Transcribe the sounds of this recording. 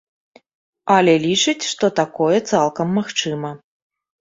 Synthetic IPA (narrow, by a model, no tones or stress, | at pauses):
ɐlʲɛlʲit͡ʂɨt͡sʲʂt̪ɔt̪akɔjɛt̪salˠkɐmːaxt͡ʂɨmɐ